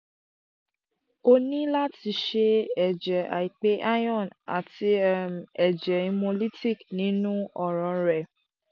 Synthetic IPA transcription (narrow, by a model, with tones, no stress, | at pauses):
o˧nĩ˦la˦ti˧ʃe˧ɛ˨d͡ʒɛ˨a̰˨i˨k͡pe˨˦ʔa˦j̃ɔ̃˦˨na̰˨ti˧ɛ˨d͡ʒɛ˨ĩ˧mõ˧li˦ti˦˨knĩ˨˦nũ˦ɔ˦˨ɾɔ̃˨ɾɛ˨